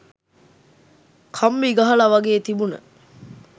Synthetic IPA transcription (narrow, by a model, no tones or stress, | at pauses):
kʰamːiɡɐɦɐlɐʋɐɡeːt̪ibunə̰